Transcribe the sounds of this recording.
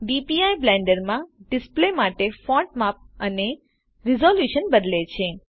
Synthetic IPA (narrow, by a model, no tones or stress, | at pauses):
ɖipiajblɛ̃ɳɖəɾmãɖɪsplemaʈefɔ̃ɳʈmap̚əne | ɾizoljuʃənbəd̪let͡ʃʰe